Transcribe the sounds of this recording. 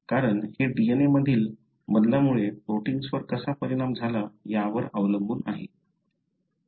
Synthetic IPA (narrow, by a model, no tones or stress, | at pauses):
kaɾəɳheɖieneməd̪ʱiːl | məd̪ljamuɭeɾoʈiŋɡsʋəɾkəsapəɾiɽ̃amd͡zʱalajaʋəɾəʋləmbuːnaɦḛ